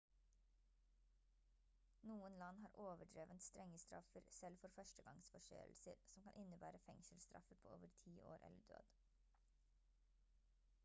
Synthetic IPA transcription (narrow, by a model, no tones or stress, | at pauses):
nuːənlɑnhɑːɾʔoːʋəɖɾeːʋənst̪ɾɛŋəst̪ɾɑ̰fəɾsɛlfɔɾfœʃtəɡɑŋsfɔʃø̰ːlsəɾsɔmkɑnʔɪnəbæːɾəfɛŋsəlst̪ɾɑ̰fəɾpʰoːʔoːʋəɾt̪ʰiːʔo̰ːɾʔɛ̰ləɖø̰ːd̪̥